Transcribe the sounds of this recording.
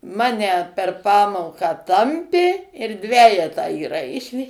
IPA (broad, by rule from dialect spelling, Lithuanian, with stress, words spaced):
ˈmɑːnʲɛ pʲɛr ˈpɑːmoːkɑː ˈtɐmʲpʲeː ɪr ˈdʲʋʲæːjɛtɑː iːˈrɐɪʃʲeː